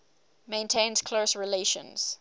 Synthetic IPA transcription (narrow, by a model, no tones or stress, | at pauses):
mẽɪ̃ntʰẽnz̥kʰlosɹileʃə̰̃nz̥